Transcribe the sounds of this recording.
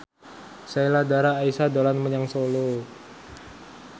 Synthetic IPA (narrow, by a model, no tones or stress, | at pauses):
sailadaɾaːisadolanməɲaŋsolo